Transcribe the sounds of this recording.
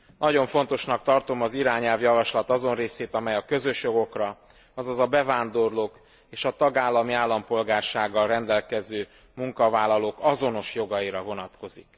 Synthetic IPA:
nʔɒɟo̞ɱfo̞n̪t̪o̞ʃnɒk̚t̪ɒrt̪o̞mɒziɾaːɲɛlvjɒvɒʃlɒt̪ɒzo̞nreːseːt̪ɒmɛjɒkø̞zø̞ʃjo̞ɡo̞krɒ | ɒzɒzɒbɛvaːnd̪o̞rloːk | eːʃɒt̪ɒɡaːlːɒmiaːlːɒmpo̞lɡaːrʃaːɡːɒlrɛnd̪ɛlkɛzøː | muŋkɒvaːlːɒloːkɒzo̞no̞ʃjo̞ɡɒiɾɒvo̞nɒt̪ko̞zik

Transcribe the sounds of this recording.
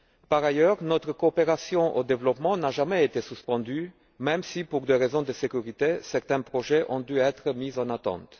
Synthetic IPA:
paʁajœːʁnɔt̪χəkoːpeʁasjɔ̃ʔod̪evlɔpmɑ̃naʒamɛet̪esyspɑ̃d̪y | mɛ̃msipuʁd̪eʁezɔ̃d̪əsekʲyʁit̪esɛʁt̪ɛ̃pχoʒɛʔɔ̃d̪yɛt̪χəmizɑ̃nat̪ɑ̰̃t̪

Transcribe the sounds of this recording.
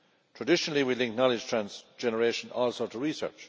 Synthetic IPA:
tʰɹ̥ədɪʃənəl̩ˠiwilɪ̃ŋk̚nɑlɪdd͡ʒ̥tʰɹ̥ãnsd͡ʒɛnəɹeɪʃə̃nɔlˠsoʊtʰəɹisɜ̰˞t͡ʃ

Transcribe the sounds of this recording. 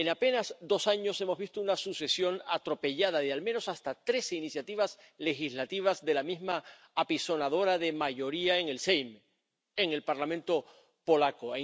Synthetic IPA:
e̞nape̞nazd̪o̞saɲo̞se̞mo̞zβist̪ounasuse̞sjo̞nat̪ɾo̞pe̞ʎað̞aðealmẽno̞sast̪at̪ɾe̞seinisjat̪iβ̞as | le̞xizlat̪iβ̞azðe̞lamizmaː | piso̞nað̞o̞ɾaðe̞maʝo̞ɾiaeŋe̞lsejm | e̞ŋe̞lpaɾlamẽnt̪o̞ | po̞lakoa

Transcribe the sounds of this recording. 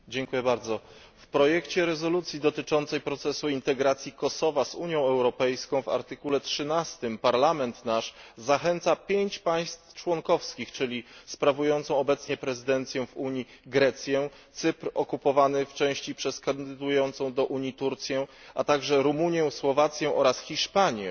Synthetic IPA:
d͡ʑɛŋkujɛbaɾd̪zɔ | fpɾɔjɛkt͡ɕɛɾɛzɔlut̪sʲjid̪ɔt̪ɘt͡ʂɔnt̪sɛjpɾɔt̪sɛsuint̪ɛɡɾat̪sʲjikɔsɔvazuɲjɔ̃w̃ɛwɾɔpɛjskɔ̃w̃va̰ɾt̪ɘkulɛtʂɘnast̪ɘmpaɾlamɛnt̪naʂzaxɛnt̪sapʲjeɲt͡ɕpaj̃st̪ft͡ʂwɔŋkɔfskʲixt͡ʂɘlʲispɾavujɔnt̪sɔ̃w̃ɔbɛt̪sɲɛpɾɛzɘd̪ɛnt̪sʲjɛ̃vuɲiɡɾɛt̪sʲjɛ | t̪sɘpɾɔkupɔvanɘft͡ʂɛ̃w̃ɕt͡ɕipʂɛskand̪ɘd̪ujɔnt̪sɔ̃w̃d̪ɔʔuɲit̪uɾt̪sʲjɛʔat̪aɡʐɛɾumuɲjɛ̃w̃swɔvat̪sʲjɛ̃w̃ʔɔɾasxʲiʂpaɲɛ̃

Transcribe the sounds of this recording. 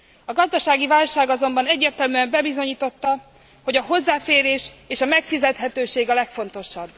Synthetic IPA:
ɒɡɒzd̪ɒʃaːɡivaːlʃaːɡɒzo̞mbɒnɛɟːeːrt̪ɛlmyɛmbɛbizo̞ɲiːt̪o̞t̪ːɒ | ho̞ɟɒɦo̞zːaːfeːɾeːʃeːʃɒmɛkfizɛt̪ɦɛt̪øːʃeːɡɒlɛkfo̞nt̪o̞ʃɒbː

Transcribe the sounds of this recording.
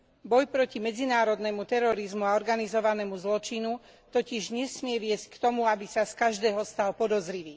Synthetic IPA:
bɔjpɾɔcimɛd͡zinaːɾɔd̪nɛmut̪ɛɾɔɾizmuaɔɾɡanizɔʋanɛːmuzlɔt͡ʃinu | t̪ɔciʒɲɛsmɪɛʋɪɛsc̚kt̪ɔmuabisaskaʒd̪ɛːɦɔst̪alpɔd̪ɔzɾiʋiː

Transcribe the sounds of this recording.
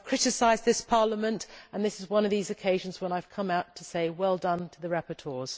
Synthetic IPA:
v̥kʰɹ̥ɪɾɨsaɪzðɪspʰɑɹləmə̃ntə̃nðɪsɨzwʌ̃nʌvðizɨkʰeɪʒɨ̃n̩zwə̃naɪv̥kʰʌ̃maʊtʰəseɪwɛlˠdʌ̃ntʰəðəɹɛpə˞tʰɔːz̥

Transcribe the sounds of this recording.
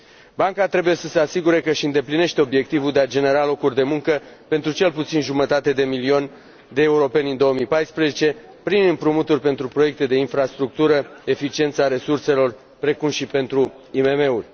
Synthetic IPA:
baŋkat̪ɾe̞buje̞səse̞asiɡuɾe̞kəʃiɨnd̪e̞pline̞ʃt̪e̞o̞bje̞k̚t̪ivuld̪ead͡ʒe̞ne̞ɾalo̞kurʲd̪e̞muŋkəpe̞nt̪ɾut͡ʃe̞lput̪sinʒumət̪at̪e̞d̪e̞milionʲ | d̪e̞ːuɾo̞pe̞nʲɨnd̪o̞əmipajspɾezet͡ʃe̞ | pɾinɨmpɾumut̪urʲpe̞nt̪ɾupɾo̞je̞k̚t̪e̞d̪e̞infɾast̪ɾuk̚t̪uɾəe̞fit͡ʃie̞nt̪saɾe̞surse̞lo̞r | pɾe̞kumʃipe̞nt̪ɾu | ime̞me̞urʲ

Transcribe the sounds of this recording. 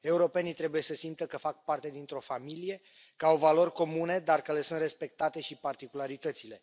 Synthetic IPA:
e̞uɾo̞pe̞nit̪ɾe̞buje̞səsimt̪əkəfak̚part̪e̞d̪int̪ɾo̞familije̞ | kəawvalo̞rʲko̞mune̞d̪arkəle̞sɨnt̪re̞spe̞k̚t̪at̪e̞ʃipart̪ikulaɾit̪ət̪sile̞

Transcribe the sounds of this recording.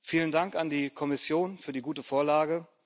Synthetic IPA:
fiːləndaŋkandiːkʰɔmɪsjoːnfyːɐdiːɡuːtəfoːɐlaːɡə

